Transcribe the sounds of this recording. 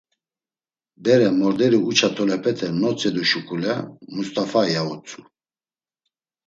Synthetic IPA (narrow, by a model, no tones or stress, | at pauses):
d̪ɛɾɛmɔɾd̪ɛɾiut͡ʃʰat̪ʰɔlɛpʰɛt̪ʰɛnɔt͡sʼɛd̪uʃukʰʼulɛmust̪ʰʼafajaut͡sʰʼu